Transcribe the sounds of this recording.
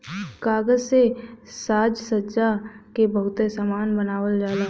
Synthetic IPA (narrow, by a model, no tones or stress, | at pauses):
kaːɡəd͡ʒsesaːd͡ʒsəd͡ʒakebəɦʊt̪esaːmaːnbənaːwəld͡ʒaːlaː